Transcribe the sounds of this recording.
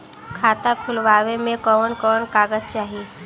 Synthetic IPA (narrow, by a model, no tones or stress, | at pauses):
kʰaːt̪akʰʊlʋaːʋemẽkɔːnkɔːnkaːɡəd͡ʒt͡ʃaːɦie